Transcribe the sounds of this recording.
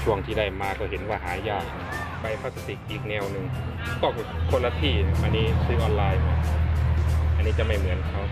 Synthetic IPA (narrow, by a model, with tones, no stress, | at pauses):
t͡ɕʰu˧˩əŋt̪ʰiː˧˩da˥˩jmaː˧kɔː˧˩ɦe˨˦nwaː˧˩ɦaː˩˦jaː˥˩k̚ | pa˧jpʰa˧˥˩sa˧t̪i˨˩k̚ʔiː˨˩k̚nɛː˧wnɯ˧ŋkʰɔː˧˩kkʰo˧nla˧t̪ʰiː˧˥˩a˧pʔa˧niː˦˥sɯː˦˥ʔɔː˧nlaː˧jmɔ˧˩n˧ | ʔa˧nːiː˦˥t͡ɕa˨˩ma˥˩jmɯ˩˦ənkʰa˦˥w